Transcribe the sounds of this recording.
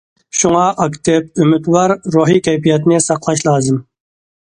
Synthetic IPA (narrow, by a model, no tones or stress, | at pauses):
ʃʊŋɑʔɐkt̪ep̚ʊmɪd̪wɑːɾːoːɦiːkajpijat̪nesɑqlˠɑʃlɑːzɨm